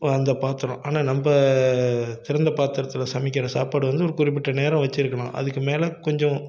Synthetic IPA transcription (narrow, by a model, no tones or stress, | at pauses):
ɐnd̪ɐpaːɾt̪ɯɾõʔaːnaːnɐmbɐ | t̪ɪɾɐnd̪ɐpaːɾt̪ːɪɾɐt̪ːɪlɐsɐmɪkːɪɾɐsa̰ːpaːɽɯʋɐnd̪ɯɔɾɯkʊrɪp̬ːɪʈːɐneːɾɐ̃ʋɐt͡ʃːɪɾɯkːɐnã̰ːʔɐ̰ðɯkːɯmeːlɛkɔɲd͡ʒɔ̃